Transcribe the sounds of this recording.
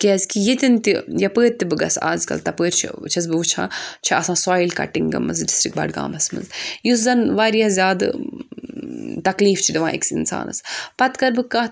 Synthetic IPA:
kezkijit̪ʲint̪ijɐpəːɾt̪ːibɨɡɐ̰sa̰ːzkɐ̰lt̪ɐpəːɾʲt͡ʃʰḭt͡ʃʰɐs̬bɨʋut͡ʃʰã̰ːt͡ʃʰiɐsãːsaːilkɐ̰ʈːiŋɡɐ̰mɐnzɖisʈɾikʈ̚bɐ̰ːɖɡa̰ːmɐsmɐ̰nzjuszɐnʋaːɾjazʲjaːd̪ | t̪ɐkliːft͡ʃʰid̪iʋã̰ːʔḛksḭnsa̰ːnɐ̰spɐt̪kɐɾbɨka

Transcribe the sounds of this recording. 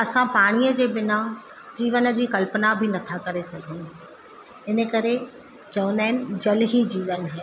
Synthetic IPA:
ɐsãpaːɽ̃iːəd͡ʑeːɓɪna | d͡ʑiːʋənə̆d͡ʑiːkɐlpnabʱɪnɐt̪ʰakɐɾesɐɡʱən | ɪnə̆kɐɾe | t͡ɕɐʋə̃nd̪aːɪnɪ̆d͡ʑɐlɦid͡ʑiːʋənɦɛː

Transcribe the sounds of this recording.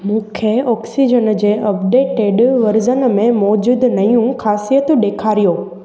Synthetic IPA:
mũːkʰeɔːksid͡ʑənd͡ʑeːɐpɖeːʈeɖʋɐɾd͡ʑənmẽmɔːd͡ʑuːd̪nɐjũxaːsijət̪ɗeːkʰaːɾijoː

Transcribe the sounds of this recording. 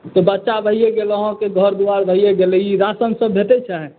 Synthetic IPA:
t̪ɔbətːʃabəɦijeɡeləɦõkeɡʱəɾd̪uaɾbʱəɦijeɡelɛiɾasəmsəbʱet̪ɛt͡ʃʰaɦɛ̃

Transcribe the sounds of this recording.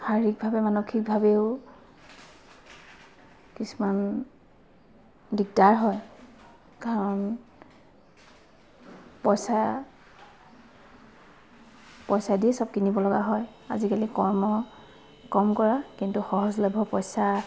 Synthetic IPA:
xaɹik̚bʱabɛmanokʰik̚bʱabeʊ | kisuman | dik̚daɹɦɔj | kaɹɔn | pɔjsa | pɔjsadiɛsɔb̚kinibɔlɔɡaɦɔja̰zikalikɔmɔ | kɔmkɔɹakintuxɔɦɔzlɔbʱɔpɔjsa

